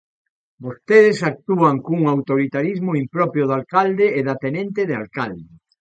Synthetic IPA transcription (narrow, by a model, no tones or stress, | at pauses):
bost̪eðesak̚t̪uaŋkuŋawt̪oɾit̪aɾizmoimpɾɔpɾjoðalkald̪eːðat̪enẽnt̪eðealkald̪e